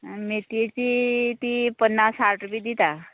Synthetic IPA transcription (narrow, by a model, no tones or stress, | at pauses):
met̪et͡ɕit̪ipənːasaɾʈəbiːd̪it̪a